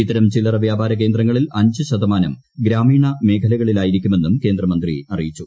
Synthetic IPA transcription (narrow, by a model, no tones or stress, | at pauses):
it̪ːɐɾɐmt͡ɕilɐrɐʋjaːbʱaːɾɐk̬e̞ːnd̪rɐŋːɐɭilɐɲd͡ʑɨɕɐd̪ɐmaːnɐm | ɡɾaːmiːɳɐme̞ːkʰɐlɐɣɐɭilaːjiɾik̬ʲːume̞nːumke̞ːnd̪rɐmɐnd̪rḭɐrijit͡ɕːu